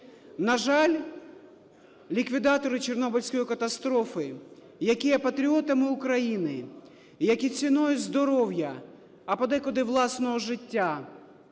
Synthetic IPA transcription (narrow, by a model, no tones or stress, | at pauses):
nɐʒɑlʲ | lʲikʋʲid̪ɑt̪ɔɾɪt͡ʃernɔbɪlʲsʲkɔjikɐt̪ɐst̪ɾɔfɪ | jɐkʲijɛpɐt̪ɾʲiɔt̪ɐmɪʊkɾɐjinɪ | jɐkʲit͡sʲinɔjɛzd̪ɔɾɔwjɐ | ɐpɐd̪ɛkɔd̪ɪʋlˠɑsnɔɦɔʒɪtʲːa